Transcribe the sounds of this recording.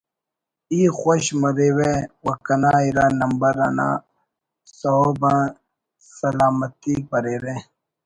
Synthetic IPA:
ixoɕmɐɾewewɐkɐnaːiɾaːnɐmbɐɾa̰na̰ | sɐobã | sɐlaːmɐt̪ik̚bɐɾeɾẽ

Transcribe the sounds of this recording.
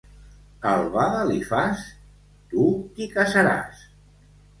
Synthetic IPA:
alˠβaðəlifas | t̪ukikasaɾa̰s

